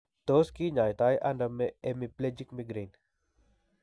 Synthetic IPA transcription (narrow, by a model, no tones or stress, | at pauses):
t̪oːskiːɲaːjt̪aːjʔɐ̰ndɐmːeemipled͡ʒikmiɡɾeːn